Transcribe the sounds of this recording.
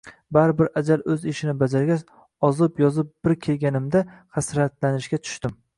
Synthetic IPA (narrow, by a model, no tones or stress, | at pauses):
baɾɪbɪɾad͡ʒalɵzɪʃɪnɪbad͡ʒaɾɡʲat͡ʃ | ɒzɪpjɒzɪp̚b̥ɪɾkʲʰe̞lɡʲanɪmd̪aχasɾat̪lanɪʃɡʲat̪ʰʊ̥ʃt̪ɪm